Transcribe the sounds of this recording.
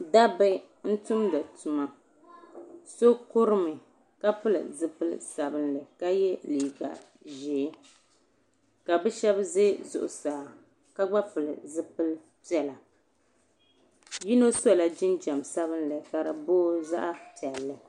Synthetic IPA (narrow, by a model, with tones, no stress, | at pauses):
da˦bɨ˦ | n̩˦tʊ˦mda˨tu˨ma˨ | so˦kʊ˦ɾɨ˦mɨ˨ | ka˦fɨ˦lɨ̰˨zɨ˦pɨ˦l̰sa˨bɨ˦nlɨ˨ka˦jɛ˦liː˨ɡa̰˨ | ʒeː˨˦ | ka˨bɛ˦ʃɛ˦bze˦zʊ̰˨ʔʊ̰˨saː˨ | ka˦ɡ͡ba˦fɨ˨lɨ̰˨zɨ˦pɨ˦l | pi˦ɛ˨la˨ | ji˦no˦sɔ˦la˨d͡ʒɪ˦nd͡ʒa˨msa˦βɨ˦nlɨ˨ka˨ɾa˨boː˦za̰˦ʔa˦pi˨ɛ˨lːɨ˨